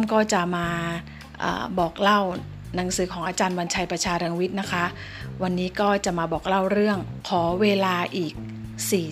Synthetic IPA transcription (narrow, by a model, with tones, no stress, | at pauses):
mkɔː˥˩t͡ɕa˨˩maː˧ | ʔa̰ː˨˩bɔː˨˩k̚la˥˩w | na˩˦ŋsɯː˩˦kʰɔː˩˦ʔaː˧t͡ɕaː˧nwa˧nt͡ɕʰa˧jpɾa˧t͡ɕʰaː˧ɾɯ˧ŋwi˦˥t̪̚na˦˥kʰa˦˥ʔ | wa˧nːiː˦˥kɔː˥˩t͡ɕa˨˩maː˧bɔː˨˩k̚la˥˩wɾɯ˥˩əŋkʰɔː˩˦weː˧laː˧ʔiː˨˩k̚ | siː˨˩